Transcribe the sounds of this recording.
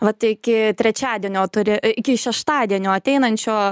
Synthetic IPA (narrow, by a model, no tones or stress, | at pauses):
ʋɐt̪ɪkʲɪt̪ʲɾʲɛt͡ʃʲæːd̪ʲiɛnʲoːt̪ʊɾʲɪɪkʲɪʃʲɛʃt̪ɑːd̪ʲiɛnʲoːɐt̪ʲɛɪnɐnʲt͡ʃʲoː